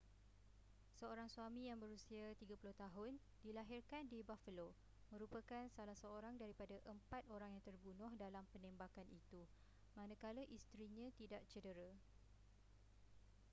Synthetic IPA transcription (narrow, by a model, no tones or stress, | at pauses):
səoɾaŋsuamĩjaŋbəɾusiat̪iɡapulʊht̪aɦʊn | dilaɦɪrkandibafəlo | mə̃ɾupəkansalasəoɾaŋdaɾipadaʔəmpat̪̚oɾaŋjaŋt̪ərbunʊhdalampənɛ̃mbakanʔit̪u | mãnə̃kalaʔist̪ɾiɲãt̪idaʔt͡ʃədəɾa